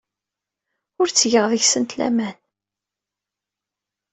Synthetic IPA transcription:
ʊɾt͡sːʝəʁðəçsənt̪læ̰mæn

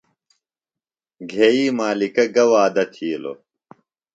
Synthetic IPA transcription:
ɡʱeːiːmaːlikɐɡɐwaːd̪ɐt̪ʰiːlo̰

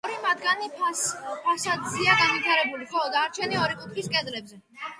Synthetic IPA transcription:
ɔɾimad̪ɡanipʰaspʰasad̪ziaɡanvit̪ʰaɾɛbuliχɔd̪aɾt͡ʃʰɛniɔɾikʼut̪ʰχiskʼɛzlɛbzɛ

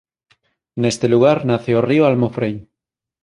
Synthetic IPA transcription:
nest̪eluɣ̞aɾnaθeorioalmofɾej

